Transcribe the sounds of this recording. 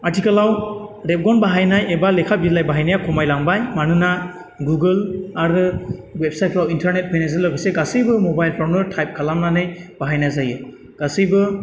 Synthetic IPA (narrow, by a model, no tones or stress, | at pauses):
atʰikalawɾep̚ɡɔnbaɦajnajebalekʰabidlajbaɦajnajakʰɔmajlaŋbajmanɯna | ɡuɡɯlaɾɯwep̚sajt̚ʰɾawintʰaɾnet̚pʰɯjnazɯlːɯbɯseɡasɯjbɯmɔbajlpʰawnɯtʰajp̚kʰalamnanɯjb̥aɦajnazajɯ | ɡ̥asɯjbɯ